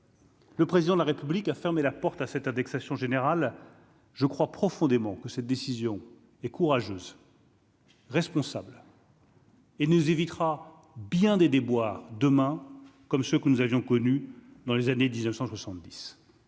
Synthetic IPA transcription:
ləpχezid̪ɑ̃d̪laʁepyblikafɛʁmelapɔʁt̪asɛt̪ɛ̃d̪ɛksasjɔ̃ʒeneʁal | ʒəkχwapχɔfɔ̃d̪emɑ̃kəsɛt̪̚d̪esizjɔ̃ | ɛkuʁaʒøːz | ʁɛspɔ̃sabl | enuzevit̪χa | bjɛ̃d̪ed̪ebwaʁd̪əmɛ̃kɔmsəkənuzavjɔ̃kɔnyd̪ɑ̃lezaned̪iznəfsɑ̃swasɑ̃t̪̚d̪is

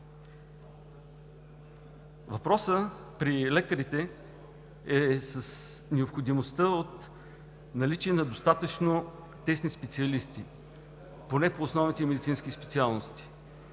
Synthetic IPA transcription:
vɐpɾɔsə | pɾilɛkəɾit̪ɛ | ɛsəsnɛopxod̪imost̪əot̪ | nɐlit͡ʃiɛnɐd̪ost̪at̪ət͡ʃno | t̪ɛsnispɛt̪siɐlist̪i | ponɛpoːsnɔvnit̪ɛmɛd̪it̪sinsk̟ispɛ̥t̪sialˠnost̪i̥

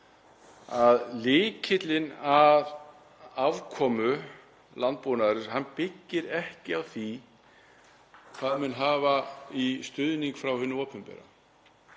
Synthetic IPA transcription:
aðlɪːcʰɪt̪lɪnað | avkʰɔːmʏ | lant̪̚ponaðɾɪshanːpɪcːɪɾɛhcɪawθi | kʰv̥aːðmɛnɦaːvaist̪ʏðniŋkfɾawhʏnːʏɔːpʰʏmpɛ̰ɾa̰

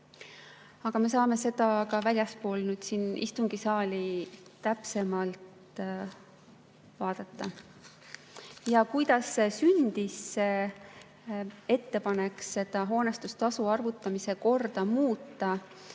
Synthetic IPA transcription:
ɑɡ̥ɑme̞sɑːme̞se̞d̪̥ɑkɑvælʲjɑspo̞ːlnyːd̪̥siːnḭst̪uŋɡ̥isɑːlʲiːæpse̞mɑlt̪ | vɑːd̪̥ɑt̪ːɑ | jɑkujd̪̥ɑsːesynd̪̥isːe | e̞t̪ːe̞pɑne̞ksse̞d̪̥ɑɦo̞ːne̞st̪ust̪ɑsuɑrvut̪ːˑɑmise̞ko̞rd̪̥ɑmuːt̪ːˑɑ

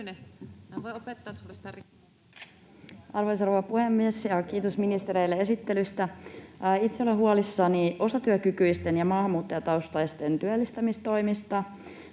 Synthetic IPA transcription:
neʋoopet̪ːɑst̪ɑ | ʔɑrʋojs̬roʋɑpuhemːiesjɑkiːt̪osminist̪eɾejlːee̞sit̪ːelyst̪æ | it̪seolːeɦuɑlisːɑniʔo̞sɑt̪yøkykyist̪enjɑmɑːhɑmːuːt̪ːɑjɑt̪ɑust̪ɑjst̪ent̪yælːist̪æmist̪o̞imist̪ɑ

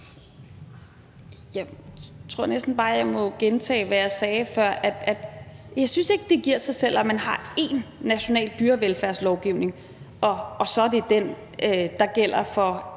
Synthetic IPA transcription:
jɑt͡sʰʁo̝ɐ̰nesd̥n̩b̥ɑ̈ːjɑ̈ɪmɒ̽ɡ̥ent͡sʰɛ̰ːʋæjɑ̈ɪsɛːfɶɐ̰ʔæd̥æd̥jɑ̈ɪsynse̝ɡ̥əd̥e̝ɡ̥iɐ̰sɑ̈ɪsel̰æmænhɑ̈e̝nːæɕo̝nɛ̰ːldd̥yːɐʋelfæɐ̰slɒʊɡ̥iʊ̰ne̝ŋ | ʔɒ̽ːsɒ̽æd̥e̝d̥en | d̥ɑ̈ɡ̥el̰ɐfɒ̽

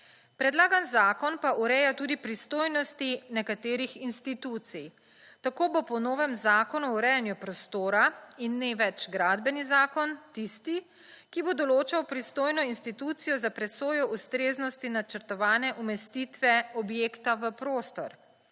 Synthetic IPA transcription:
pɾɛd̪laːɡanzaːkɔnpaʔuɾɛjat̪uːd̪ipɾist̪oːjnɔst̪inɛkat̪eːɾixinst̪it̪uːt̪sij | t̪akoːbopɔnoːʋɛmzaːkɔnuɔuɾɛjanjupɾɔst̪oːɾainːeʋɛt͡ʃɡɾaːd̪bɛnizaːkɔnt̪ist̪i | kibod̪ɔloːt͡ʃawpɾist̪oːjnɔinst̪it̪uːt̪sijɔzapɾɛsoːjɔʔust̪ɾeːznɔst̪inat͡ʃəɾt̪ɔʋaːnɛʔumɛst̪it̪ʋɛɔbjeːkt̪aʋəpɾoːst̪ɔ̰ɾ

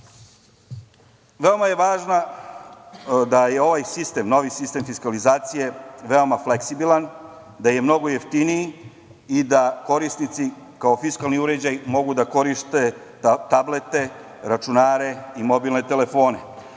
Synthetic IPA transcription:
ʋe̞omaje̞ʋaːʒna | d̪ajeo̞ʋajsist̪e̞mno̞ʋisist̪e̞mfiskalizaːt̪sije̞ʋe̞o̞mafleksibilˠan | d̪aje̞mno̞ɡo̞jeft̪iniji | id̪ako̞ɾisnit̪si | kao̞fiskalˠniuɾe̞d͡ʑajmo̞ɡud̪ako̞ɾiʃt̪e̞ | t̪ablet̪e̞ | ɾat͡ʃunaːɾe̞imo̞bilˠne̞t̪ele̞fo̞ːne̞

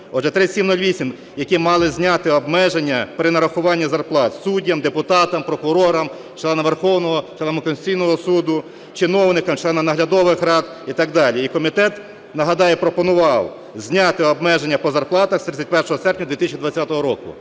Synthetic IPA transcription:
ɔɛt̪ɾɪsʲimnulʲʋʲisʲim | jɐkimɑlˠɪzʲnʲɑt̪ɪɔbmɛʒenʲːɐpɾɪnɐɾɐxʊʋɑnʲːɐzɐrplˠɑt̪sudʲːɐmd̪epʊt̪ɑt̪ɐmpɾɔkʊɾɔɾɐm | t͡ʃlˠɛnɐmʋerxɔwnɔɦɔt͡ʃlˠɛnmkɔnsʲt͡sʲijnɔɦɔsud̪ʊ | t͡ʃɪnɔwnɪkɐmt͡ʃlˠɛnɐmnɐɦlʲɐd̪ɔʋɪxrɑd̪ | it̪ɑɡd̪ɑlʲiikɔmʲit̪ɛt̪ | nɐɦɐd̪ɑjɛpɾɔpɔnʊʋɑw | zʲnʲɑt̪ɪɔbmɛʒenʲːɐpɔzɐrplˠɑt̪ɐxst̪ɾɪt͡sʲɐtʲpɛrʃɔɦɔsɛrpʲnʲɐd̪ʋʲit̪ɪsʲt͡ʃʲid̪ʋɐt͡sʲːat̪ɔɦɔɾɔkʊ̰

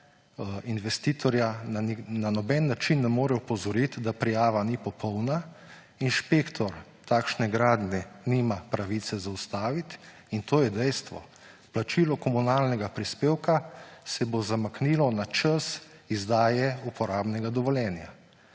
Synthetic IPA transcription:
inʋɛst̪iːt̪ʰɔɾjananɔbɛnːat͡ʃinːɛmoːɾɛupɔzɔɾit̪d̪apɾijaːʋanipɔpʰɔwna | inʃpeːkt̪ʰɔɾ | t̪aːkʃnɛɡɾaːd̪nɛniːmapɾaʋit̪sɛzaust̪aːʋit̪ | int̪oːjɛd̪ɛjst̪ʋɔ | plat͡ʃiːlɔkɔmunaːlnɛɡapɾispeːwkasɛbozamaknilɔnat͡ʃəsizd̪aːjɛupɔɾaːbnɛɡad̪ɔʋɔljɛːnja̰

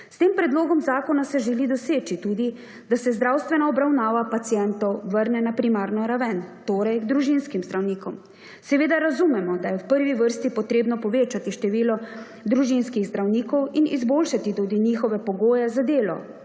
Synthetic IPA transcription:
st̪eːmpɾɛd̪loːɡɔmzaːkɔnasɛʒɛlid̪ɔseːt͡ʃit̪ud̪i | d̪asɛzd̪ɾaːwst̪ʋɛnaɔbɾawnaːʋapat̪sijɛnt̪ɔwʋəɾnɛnapɾimaːɾnɔɾaʋɛnt̪oːɾɛjɡd̪ɾuʒinskimzd̪ɾawniːkɔm | sɛʋeːd̪aɾazumɛmɔd̪ajɛwpəɾʋiʋəɾst̪ipɔt̪ɾeːbnɔpɔʋeːt͡ʃat̪iʃt̪ɛʋiːlɔ | d̪ɾuʒinskiɣzd̪ɾawniːkɔwinizboːlʃat̪it̪uːd̪inixɔʋɛpɔɡoːjɛzad̪eːlɔ̰

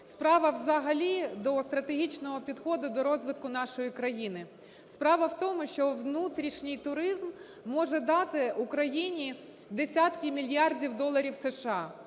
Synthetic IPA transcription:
spɾɑʋɐwzɐɦɐlʲid̪ɔst̪ɾɐt̪eɦʲit͡ʃnɔɦɔpʲid̪xɔd̪ʊd̪ɔɾɔzʋɪt̪kʊnɑʃɔjikɾɐjinɪ | spɾɑʋɐwt̪ɔmʊʃt͡ʃɔʋnut̪ɾʲiʃnʲɪjt̪ʊɾɪzmː | ɔʒɛd̪ɑt̪ɪʊkɾɐjinʲi | d̪esʲɑt̪kʲɪmʲilʲjɑrdʲiwd̪ɔlˠɐɾʲiwseʃɑ

